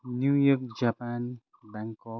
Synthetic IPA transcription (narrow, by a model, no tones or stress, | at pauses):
njujɔk̚d͡ʒapan | bãŋkɔ